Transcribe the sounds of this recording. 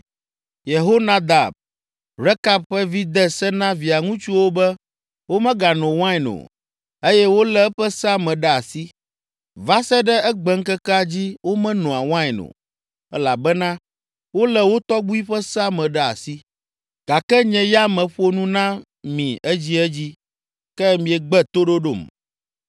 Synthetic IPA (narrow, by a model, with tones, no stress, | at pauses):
je˨ɦo˦nã˦d̪a˨b̚ | ɾɛ˦ka˦b̚ɸɛ˦vi˦d̪ɛ˦sɛ˦nã˦vi˨a˨ŋũ˦t͡ʃu˦wo˦bɛ˦ | wo˦mɛ̃˦ɡa˨nɔ̃˨wã˦jnõ̰˨ | e˦jɛ˦wo˦lɛ˦ɸɛ˦sa˦mɛ̃˨ɖɛ˦a˨si˦ | va˦sɛ˦ɖɛ˦ɛ˦ɡ͡bɛ˨ŋ̩˦kɛ˦ka˦d͡ʑi˦wo˦mɛ̃˦nɔ̃˨a˨wã˦ɛ˨nõ̰˨ | ɛ˦la˨bɛ˦nã˦ | wo˦lɛ˨wo˦t̪ɔ˦ɡ͡bu˦i˦ɸɛ˦sa˦mɛ̃˨ɖɛ˦a̰˨si˦ | ɡ̥a˨kɛ˦ɲɛ̃˨ja˦mɛ̃˨ɸo˦nũ˦nã˦ | mĩ˨ɛ˦d͡ʑi˦ɛ˦d͡ʑi˦ | kɛ˦mĩ˨ɛ˨ɡ͡bɛ˦t̪o˦ɖo˦ɖo̰˦˨m